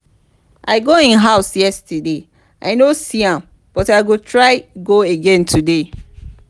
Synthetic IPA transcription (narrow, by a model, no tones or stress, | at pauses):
ʔaɪɡoĩnɦaʊsjɛstɛde | ʔaɪnosiãm | b̥ɔtaɪɡotʰɹaɪɡoeɡɛ̃ntʰude